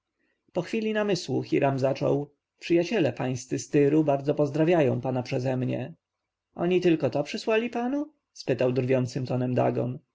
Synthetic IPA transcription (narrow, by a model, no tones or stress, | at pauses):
pɔxfʲilʲinamɘswuxʲḭɾʔamzat͡ʂɔ̰w | pʂɘjat͡ɕɛlɛpaj̃st̪sɘst̪ɘɾubaɾd̪zɔpɔzd̪ɾavʲjajɔ̃w̃panapʂɛzɛmɲɛ̰ | ʔɔ̰ɲit̪ɘlkɔt̪ɔpʂɘswalʲipanu | spɘt̪awd̪ɾvʲjɔnt̪sɘmt̪ɔnɛmd̪a̰ɡɔ̰n